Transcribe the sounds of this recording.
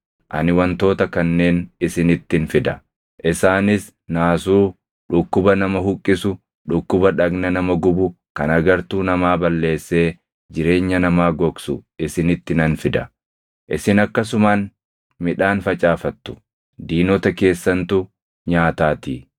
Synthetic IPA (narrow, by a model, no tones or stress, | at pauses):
ʔɐ̰nɪwɐnt̪o̞ːt̪ɐkɐnːe̞ːnɪsɪnɪt̪ːɪnfɪd̪ɐ | ʔɪsaːnɪs | naːsuː | ᶑʊkːʊbɐnɐmɐhʊkʼːɪsʊ | ᶑʊkːʊbɐᶑɐɡnɐnɐmɐɡʊbʊ | kɐnɐɡɐɾt̪uːnɐmaːbɐlːe̞ːsːe̞ː | d͡ʒɪɾe̞ːɲːɐnɐmaːɡɔksʊ̰ɪsɪnɪt̪ːɪnɐnfɪd̪ɐ | ʔɪsɪnɐkːɐs̬ʊmaːn | mɪᶑaːnfɐt͡ʃʼaːfɐt̪ːʊ̥ | d̪iːnɔt̪ɐke̞ːsːɐnt̪ʊ | ɲaːt̪aːt̪ḭː